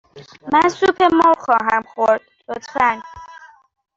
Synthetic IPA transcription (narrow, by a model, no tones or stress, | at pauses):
mænsuːpʰemowxɒːɦæmxoɾd̪̥̚lot̪ʰfæn